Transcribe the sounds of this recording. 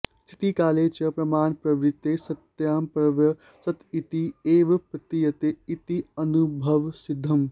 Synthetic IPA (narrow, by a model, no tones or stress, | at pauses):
st̪ʰi̥t̪ikaːleːt͡ʃɐpɾɐmaːnpɾɐʋɾit̪ːesɐt̪jaːmpɾɐʋjɐ | sɐt̪it̪ieːʋpɾɐt̪ijɐt̪eit̪iɐnubʱɐʋsid̪ʱːɐm